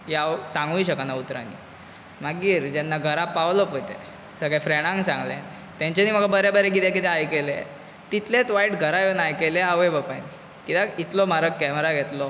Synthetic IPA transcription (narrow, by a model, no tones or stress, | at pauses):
jawsãŋɡujɕəkanaut̪ɾa̰nḭː | maɡiːɾd͡ʑɛnːaɡʱəɾapawlɔpojt̪ḛ | səɡafɾeɽ̃ãŋɡsãŋɡlɛ̰ | t̪jãɲt͡ɕeniːm̤əɡabəɾɛbəɾeɡid̪akit̪ɛajkelḛ | t̪it̪let̪ʋaiʈɡʱəɾajonajkeleaʋebəpani | kit̪ait̪lɔmaɾəkːɛməɾaɡʱɛt̪lɔ